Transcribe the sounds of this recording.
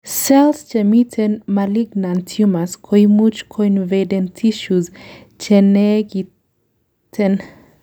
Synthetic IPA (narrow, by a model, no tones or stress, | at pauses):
selst͡ʃemit̪ʰenmaliɡnant̪ʰjumaskʰojmut͡ʃkʰojnved̪ent̪ʰiʃuz | t͡ʃeneɡi | t̪ʰen